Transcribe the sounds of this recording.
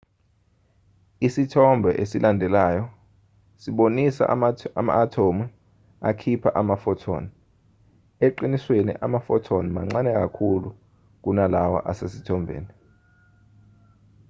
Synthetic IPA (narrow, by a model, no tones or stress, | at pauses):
isitʰɔmbʱɛʔesilʔandʱɛlaːjɔ | siɓonisa̰ama̰ːtʰomu | akʰipʰaʔamafɔtʰɔ̰ːni | eǃiniswenḭʔamafɔtʰɔnima̰ŋ͡ǀanɛk̬akʰulu | k̬unalawa̰ʔasesitʰɔmbʱḛːni